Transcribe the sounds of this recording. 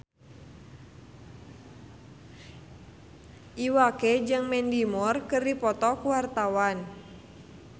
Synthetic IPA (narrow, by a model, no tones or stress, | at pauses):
ʔiwakɛd͡ʒɨŋmɛndimɔrkɨrdipɔt̪ɔkuwart̪awan